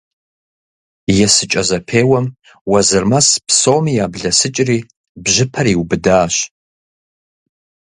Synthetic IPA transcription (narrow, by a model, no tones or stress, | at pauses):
jɛsɨt͡ʃʼɐzɐpʰeːwɐm | wɐzɨrmɐspʰsowmijaːbɮɐsɨt͡ʃʼriː | bʒɪpʰɐɾiwbɨdaːʃ